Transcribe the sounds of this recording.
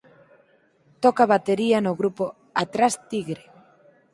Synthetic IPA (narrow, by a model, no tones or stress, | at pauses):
t̪ɔkaβat̪eɾianoɣɾupo | at̪ɾast̪iɣɾe